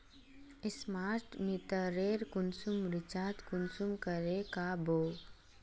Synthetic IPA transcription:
ɪsmaːɾʈmit̪əɾeːɾkʊnsumɾɪt͡ʃaːt̪kʊnsumkəɾekaboː

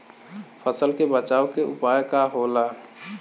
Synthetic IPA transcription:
pʰəsəlkebət͡ʃaʊkeʔupajkaɦola

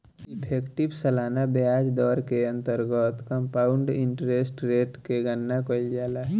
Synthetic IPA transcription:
ɪpʰeːkʈibsəlaːnabjaːd͡ʒd̪ɔːɾkeə̃nt̪əɾɡət̪kə̃mpaːʊɳɖɪ̃ɳʈɾesʈɾeːʈkeɡənːakəld͡ʒaːlaɦ

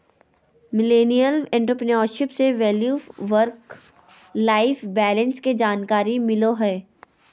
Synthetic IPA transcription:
mɪleːnijəlɛ̃ːɳʈɾoːpɪniɔːɾʃɪpseʋɛːljuːʋəɾk | laːɪfbɛːlɛ̃nsked͡ʒaːnkaːɾimɪloɦɛː

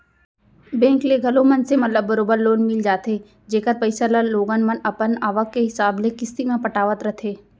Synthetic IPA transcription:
bɛ̃ːŋkleɡʱɐlõmɐnsemɐt̪ləbːɐɾoːbəɾloːnmɪld͡ʒaːt̪e | d͡ʒeːkət̪̚pəɪsələloːɡənmɐnɐpənaːʋəkkeɦɪsaːblekɪst̪imẽpɐʈaːʋət̪ɾɐt̪ʰeː

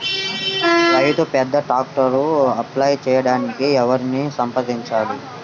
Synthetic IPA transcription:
ɾɐjt̪upɛd̪ːɐʈaːk̚ʈɐɾuɐplaːjt͡ʃɛːjɐɽaːnikiɛʋɐɾinisɐmpɐd̪iɲt͡ʃaːli

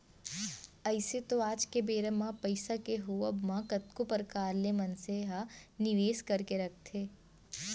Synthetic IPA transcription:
ɐɪset̪oaːd͡ʒkebeːɾəmãpɐɪsakeɦoɐbmãkɐt̪̚kopəɾkaːɾlemɐnseɦanɪʋeːskɐɾkeɾɐk̚ʰt̪ʰeː

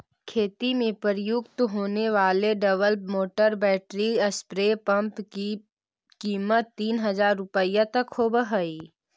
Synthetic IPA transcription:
kʰeːt̪imẽpəɾjʊɡt̪ɦoːneʋaːleɖɐʋəlmoːʈəɾbɛːʈɾiɐspɾeːpə̃mpki | kiːmət̪ːiːnɦɐzaːɾːʊpəjat̪ɐkhoːbəɦəiː

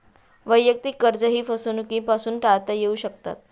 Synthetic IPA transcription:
ʋəjːək̚t̪iːkəɾd͡zəɦiːfəsuːnukĩpasuːnʈaɭt̪ajeuːɕək̚t̪a̰t̪̚

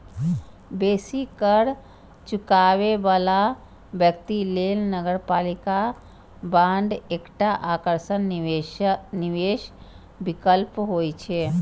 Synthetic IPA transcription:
besikəɾ | t͡ʃukaʋebala | bjəkt̪ilelnəɡəɾpalika | bãɳɖekʈaʔakəɾsən | niʋeʃ | bikəlpɦojt͡ʃʰe

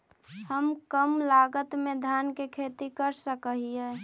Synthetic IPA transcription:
həmkəmlaːɡət̪mẽd̪ʱjaːnkekʰet̪ikəɾsəkəɦieː

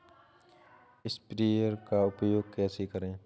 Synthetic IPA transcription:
ɪspɾiəɾkaʊpjoːɡ̚kɛːsikəɾẽː

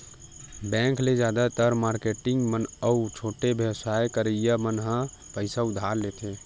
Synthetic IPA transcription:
bɛ̃ŋkled͡ʒjaːd̪at̪əɾmaɾkeʈɪŋɡmənəut͡ʃʰoːʈebʱjəwsajkəɾəjamənɦə̃ | pəɪsaʊd̪ʱaɾlet̪ʰe

